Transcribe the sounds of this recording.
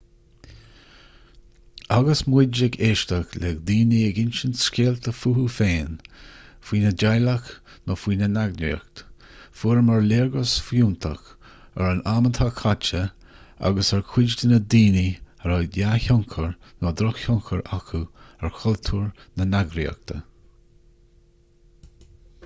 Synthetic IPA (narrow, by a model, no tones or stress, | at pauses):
aɡəsmwɪd͡ʒɪɡeːʃtəklɛɡd̪iːniəɡɪnʃənskʲeːlt̪ʰəfuːhufeːn | fwiːnəd͡ʒajlək | nɔːfwiːnənaɡnḭə̰kt̪ | fuːɾəmaɹleːɹɡəsfjuːnt̪ʰəx | ə̰ɹənamənt̪ʰakʰat͡ʃə | a̰ɡəsɛɹkʰw̥ɪd͡ʒd̪ənəd̪iːni | əɾajaçɔŋkʰəɹ | nɔːd̪ɾɔxhɔŋkʰəɹakʰuɛɹxʰɔlt̪ʰuːɹnənaɡɾḭə̰k̚t̪ʰə